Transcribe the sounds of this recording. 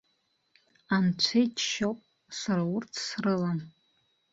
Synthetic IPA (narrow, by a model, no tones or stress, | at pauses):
ant͡ʃʷʰejtʰʃowpʼ | saɾaurtʰsrɨlan